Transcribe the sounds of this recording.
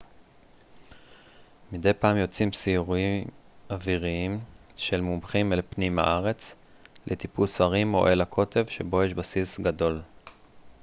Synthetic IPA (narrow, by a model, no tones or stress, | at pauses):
mid̪e̞jpaːmjo̞t͡simsiuʁuiaviʁiim | ʃe̞lmumχimelpnima̰ʔaʁe̞t͡s | let̪ipusaʁimo̞̰ʔelakʰo̞t̪ʰe̞vʃe̞bo̞jeʃbasisɡado̞l